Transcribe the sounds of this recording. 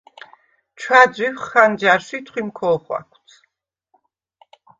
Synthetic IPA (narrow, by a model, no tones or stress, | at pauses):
t͡ʃʰwad̪zwiwχχand͡ʒaɾʃit̪ʰχwimkʰɔːχwa̰kʷʰt̪sʰ